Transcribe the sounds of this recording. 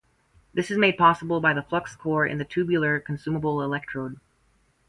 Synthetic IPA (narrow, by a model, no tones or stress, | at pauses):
ðɪsɨzmeɪd̚pʰɑsəbl̩ˠbaɪðəflʌkskʰɔɹɨ̰̃nðɨtʰʉbjl̩ˠə˞kʰn̩sʉməbl̩ˠɪlɛk̚tʰɹ̥oʊd̚